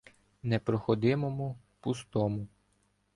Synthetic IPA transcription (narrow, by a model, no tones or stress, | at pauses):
nɛpɾɔxɔd̪ɪmɔmu | pust̪ɔmʊ